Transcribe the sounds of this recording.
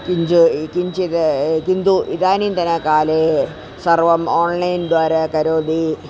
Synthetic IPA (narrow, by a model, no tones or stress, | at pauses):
kiɲd͡ʑɨkiɲd͡ʑiðekind̪uʔiðaːnint̪ɐnːekaːle | sɐrʋɐmoːɳlɐjnɖʋaːɾekɐɾoːd̪i